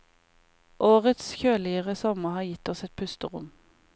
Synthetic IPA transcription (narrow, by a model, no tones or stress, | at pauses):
ʔoːʁət̪sçøːlɪəʁəsɔməhɑːjɪt̪ɔsɛt̪̚pʰʉst̪əʁʊ̰m